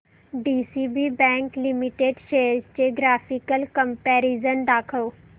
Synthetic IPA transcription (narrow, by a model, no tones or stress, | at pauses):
ɖiːsiːbibɛ̃ːŋklimiʈeːɖʃeːəɾd͡ʒt͡ɕeɡɾaːfikəlkə̃mpɛːɾizənd̪aːkʰo